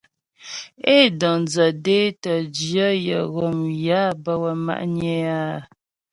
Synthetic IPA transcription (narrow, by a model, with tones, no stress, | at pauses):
e˦dɔ˨d͡zə˨de˦tə˨d͡ʒjə˦jə̰˨ɣɔ˨mja˦bə˦wə˨ma̰˨ʔɲɛ˦a˦˨